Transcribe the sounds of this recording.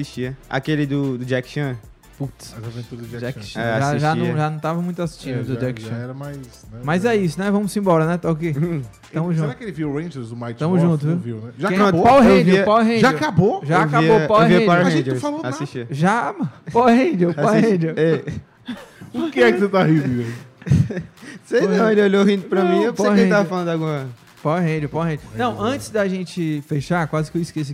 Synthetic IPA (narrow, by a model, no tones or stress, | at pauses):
asiʃt͡ʃiɐa̰kelɪd̪ʊd̪ʊd͡ʒɛkʃɐ̃ | put̪szavẽnt̪uɾɐd̪ʊd͡ʒd͡ʒɛkʃɛasʒiaʒant͡ʃiɐ̃w̃ʒanɐ̃w̃t̪avɐmũj̃t̪ʊasi̥ʃt͡ʃĩd̪d̪ʊd͡ʒɛkʃɐ̃ɛɾɐmajsnɛmajzɛisʊnɛvɐ̃mʊsĩbɔɾɐnɛt̪aʊke | t̪ɐ̃mʊzʒũtak̪kelɪviɾẽj̃ʒɛɾzʊmajt̪ɐ̃mʊzʒũt̪ʊzviwviwnɛʒakẽpawɦẽd͡ʒviɐpawɦẽʒakaboʒaakaiopawhvĩd͡ʒaaẽd͡ʒ̪ɾfaloasiʃt͡ʃiʒamɐpawhẽd͡ʒopaawhẽd͡ʒoɛ | ʊkɪɛkɪsut̪aɦiiɡɐ | sejnɐ̃w̃elɪoʎoɦĩd̪ʊpɾɐmĩewpaewẽẽt̪avɐfalɐ̃nd̪aɡũɐ | pawhẽd͡ʒowpawhẽd͡ʒnɐ̃w̃ɐ̃t͡ʃɪ̥zd̪ɐʒẽt͡ʃɪfeʃaɾkwazɪkewiskes̬i